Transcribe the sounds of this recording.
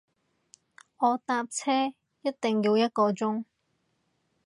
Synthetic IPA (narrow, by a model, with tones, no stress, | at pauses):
ɔː˨˧t̪aː˧p̚t͡sʰɛː˥ | jɐ˥t̚t̪ɪ˨ŋjiː˧wjɐ˥t̚kɔː˧t͡sʊ˥ŋ